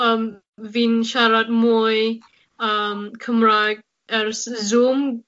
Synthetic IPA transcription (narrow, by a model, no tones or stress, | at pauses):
əm | vinʃaɾat̪̚muj | əmkʰəmɹak̚ | ɛɹszum